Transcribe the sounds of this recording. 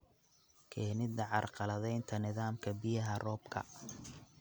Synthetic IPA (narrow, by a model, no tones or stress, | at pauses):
kʰɛhnɪd̪ɐʕɑrqɑlɐðɛjnt̪ʰɐnɪðaːmkʰɐbɪjɐɦɐrɔːbkʰɐ̰